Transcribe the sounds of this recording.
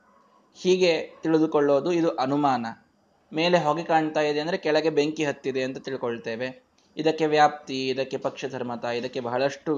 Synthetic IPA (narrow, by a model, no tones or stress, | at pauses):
hiːɡe̞t̪iɭid̪ukoɭːo̞ːd̪uid̪uʔɐnumaːnɐ | me̞ːleɦoːɡikaːɳt̪aːjid̪e̞ɐnd̪ɾe̞kɛɭɐɡe̞be̞ŋkiɦɐt̪ːid̪e̞ɐnt̪ɐt̪iɭikoɭt̪e̞ːʋe̞ | id̪ɐkːe̞ʋjaːp̚t̪iid̪ɐkːe̞pɐkʂɐd̪ʱɐɾmɐt̪ɐid̪ɐkːe̞bɐɦɐɭɐʂʈu